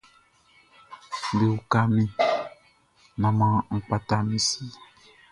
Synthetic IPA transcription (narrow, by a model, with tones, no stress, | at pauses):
de˨wu˨ka˦mĩ˦ | nã˨mã˦ŋ̩˨k͡pa˦t̪a˦mĩ˦si˦